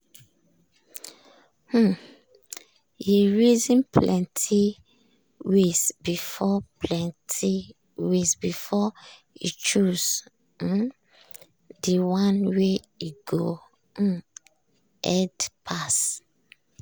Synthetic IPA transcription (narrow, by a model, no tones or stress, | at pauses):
jiɹizĩnpʰlɛ̃ntʰi | wesbifɔpʰlɛ̃ntʰi | wesbifɔ | ḭt͡ʃuz̩ | diwãnwe | iɡo | ɛdpʰas